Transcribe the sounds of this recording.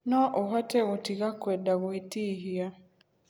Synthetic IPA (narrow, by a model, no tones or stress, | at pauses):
nɔʔoɦateɣutiɣakwedaɣwitiɦia